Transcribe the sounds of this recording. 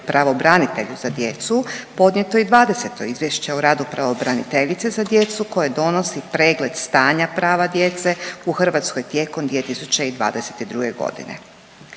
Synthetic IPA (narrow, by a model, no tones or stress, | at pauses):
pɾaʋo̞bɾanit̪e̞ʎuz̥ad̪je̞t̪supo̞d̪ɲe̞t̪o̞id̪ʋaːd̪e̞se̞t̪o̞izʋje̞ʃt͡ɕe̞uɾaːd̪upɾaʋo̞bɾanit̪e̞ʎit̪sezad̪je̞t̪suko̞jed̪o̞no̞sipɾe̞ːɡle̞d̪̥st̪aːɲapɾaːʋad̪je̞t̪se̞uxr̩ʋat̪sko̞jt̪je̞ko̞md̪ʋiet̪isut͡ɕe̞id̪ʋa̰ːd̪e̞se̞̥t̪id̪ɾuɡeɡo̞̰d̪ḭnḛ